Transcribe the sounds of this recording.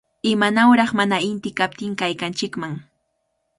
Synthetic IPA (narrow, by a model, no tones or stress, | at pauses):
ɪmanawɾɑχmanaɪnt̪ɪkap̚t̪ɪŋkajkant͡ʃɪkmaŋ